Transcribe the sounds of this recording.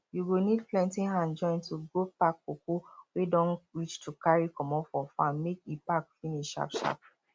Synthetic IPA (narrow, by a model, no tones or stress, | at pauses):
juwinidplɛ̃ntĩɦãnd͡ʒɔ̃ɪ̃ntuɡopakːokowedɔ̃nɹit͡ʃtʰukʰaɹikɔ̃mɔfɔfɔãnmekepakfĩniʃʃa̰pʃa̰p